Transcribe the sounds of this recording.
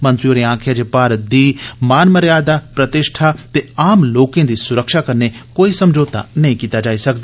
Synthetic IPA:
mɐ̃nt̪ɾjoɾeãːkʰjad͡ʒepaːɾd̪iːmaːnməɾjaːd̪apɾɐt̪ɪʃʈʰat̪eaːmloːkẽːd̪isʊɾəkʃakɐɾnekoːisɐmd͡ʒoːt̪a̰nɐɦĩkiːt̪ad͡ʒaːisɐkd̪aː

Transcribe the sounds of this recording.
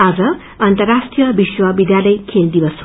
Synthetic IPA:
ad͡zʌː | nt̪əɾaʂʈijəbiswʌbid̪jaləjkʰeld̪iʋəs

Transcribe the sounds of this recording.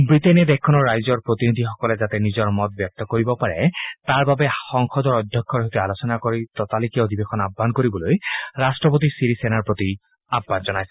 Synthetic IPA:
bɹitenɛd̪ɛkʰːɔnɔɹːajzɔɹpɹot̪inid̪ʱixɔkɔlɛzat̪ɛnizɔɹmɔt̪̚bjɔk̚t̪ɔkoɹibɔpaɹɛ̰t̪aɹbabɛxɔŋxɔd̪ɔɹɔd̪ʱjɔkʰːɔɹɦojt̪ualosɔnakoɹit̪ɔt̪alikɛodʱibexʰɔnabʱːankoɹibɔlojɹastɹɔpot̪̬isiɾisɛnaɹpɹot̪i | abʱːanzɔnajsɛ

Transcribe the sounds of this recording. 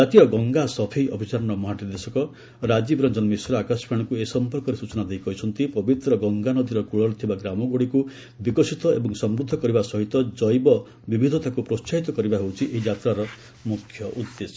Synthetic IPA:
d͡ʒat̪iɔɡɔŋɡasɔpʰejʔɔbʱit͡ʃaɾɔnɔmɔɦaʈid̪esɔkɔ | ɾad͡ʒibɾɔnd͡ʒɔnmisɾɔakaspʰãɔkuesɔmpɔɾkɔɾesut͡ʃɔnad̪ejkɔɦit͡ʃʰɔnt̪ipɔbit̪ɾɔɡɔŋɡanɔd̪iɾɔkuɭɔɾt̪ʰibaɡɾamɔɡoɽiku | bikɔsit̪ɔebɔŋsɔmɾud̪ʱːɔkɔɾibasɔɦit̪ɔd͡ʒɔjbɔ | bibʱid̪ʱɔt̪akupɾost͡ʃaɦit̪ɔkɔɾibaɦewt͡ʃʰiʔeɦid͡ʒat̪ɾaɾɔ | mukʰjɔʔud̪ːesɔ

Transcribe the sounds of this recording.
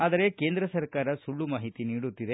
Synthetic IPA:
aːd̪ɐɾe̞keːnd̪ɾɐsɐɾkaːɾɐsuɭːumaːɦit̪iniːɽut̪ːid̪e̞

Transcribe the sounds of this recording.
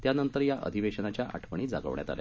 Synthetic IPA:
t̪janənt̪əɾjaʔə̰d̪ʱiʋeɕənat͡ɕjaʔa̰ʈʰpəɳ̃iːd͡zaɡə̰ʋɳja̰t̪a̰la̰

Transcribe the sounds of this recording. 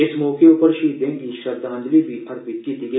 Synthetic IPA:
ɪsmɔːkeuːpəɾʃiːd̪ʱẽːkiʃɐɾd̪ʱãːnd̪libʱiʔɐɾbɪtkid̪ɪɡ

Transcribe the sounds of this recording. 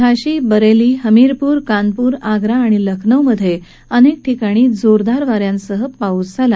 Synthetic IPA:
aɕiːbəɾeliːɦəmiɾpuːɾkanpuːɾaɡɾaːɽ̃iləkʰnəwməd̪ʱːje | ənek̚ʈʰikaɽ̃iːd͡zoɾd̪aɾʋaɾjãnsəɦəpauːt͡sd͡zʱala

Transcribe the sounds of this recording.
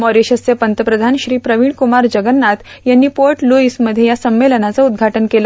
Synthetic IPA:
mɔɾeɕəsepənt̪əpɾəd̪ʱanɕɾiːpɾəʋiːɭkumaɾd͡ʑəɡənːat̪janːiːpoɾʈluisməd̪ʱjejasəmːelənat͡səud̪̚ɡʱaʈənkelə

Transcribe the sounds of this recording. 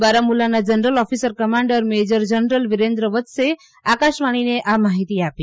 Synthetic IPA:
baɾamulanad͡ʒənɾəlɔfisəɾkəmãɳɖəɾmed͡ʒəɾd͡ʒənɾəlʋiɾẽnd̪ɾəʋət̪se | akaʃmaɽ̃ineʔamaɦit̪iapi

